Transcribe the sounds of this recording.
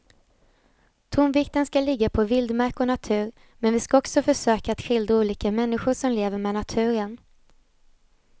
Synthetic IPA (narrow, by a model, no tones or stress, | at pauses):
t̪ʰʊmvɪkt̪ənskalɪɡːapʰɔvɪld̪maɾkɔnat̪ʰʉ̟ːɾ | mɛnvɪskaɔksɔfœʂøːkaːt̪ɧɪld̪auːliːkamɛnːɪɧʊʂɔmleːvəɾmɛːnat̪ʰʉ̟ːɾən